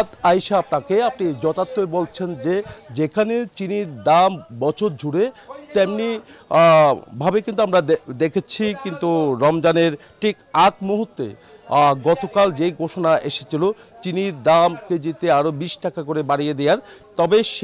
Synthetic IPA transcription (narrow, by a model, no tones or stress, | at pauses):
t̪ajʃaap̚nakeap̚nid͡ʑɔt̪at̪ːoebolt͡ɕʰend͡ʑed͡ʑekʰanet͡ɕiniɾd̪ambɔt͡ɕʰoɾd͡ʑʱuɽet̪emni | bʱabekint̪uamɾad̪ekʰet͡ɕʰikint̪uɾɔmd͡ʑaneɾ | ʈʰikakmuɦut̪ːḛ | ɡɔt̪okald͡ʑeɡʱoʃonaʔeʃe̥t͡ɕʰilo | t͡ɕiniɾd̪amked͡ʑit̪eaɾobiʃʈakakoɾebaɽijed̪ejaɾt̪ɔbeʃ